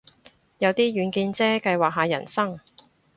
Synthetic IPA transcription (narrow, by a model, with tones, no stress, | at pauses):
jɐ˨˧wt̪iː˥jyː˨˧nkiː˧nt͡sɛː˥kɐ˧jwaː˨k̚ɦaː˨jɐ̰˨˩nsɐ˥ŋ